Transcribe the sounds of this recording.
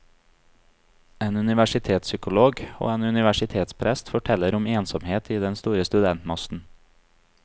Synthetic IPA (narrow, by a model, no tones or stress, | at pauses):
eːnʉnɪʋæʃɪt̪ʰeːt̪sʏkʊloːɡo̰ːeːnʉnɪʋæʃɪt̪ʰeːt̪spʰɾɛst̪fɔʈʰɛləɾʊmeːnsɔmheːt̪ʰiːd̪ɛnst̪uːɾəst̪ʉd̪ɛnt̪mɔsn̩